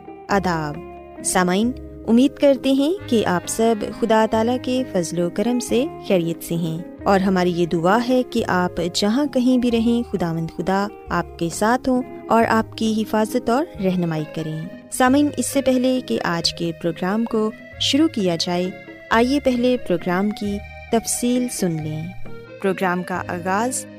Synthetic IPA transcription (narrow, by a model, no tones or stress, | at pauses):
ɐd̪aːb | saːmaːin | ʊmːiːd̪kɐɾt̪eɦɛ̃keʔaːpsɐbxʊd̪at̪aːlakefɐzlokɐɾəmsexɛːɾijət̪seɦɛ̃ː | ɔːɾɦɐmaːɾijed̪ʊaɦɛkeʔaːpd͡ʒɐɦãkɐɦĩbʱiɾɐɦẽxʊd̪aːʋə̃nd̪xʊd̪a | aːp̚kesaːt̪ʰɦõ | ɔːɾʔaːp̚kiɦɪfaːzət̪ɔːɾɾɛɦnəmaːikɐɾẽː | saːmĩːnɪsːepɛɦlekeʔaːd͡ʒkepɾoːɡɾaːmko | ʃʊɾukijad͡ʒaːe | aːjepɛɦlepɾoːɡɾaːmki | t̪ɐfsiːlsʊnlẽː | pɾoːɡɾaːmka̰ʔa̰ːɣaːz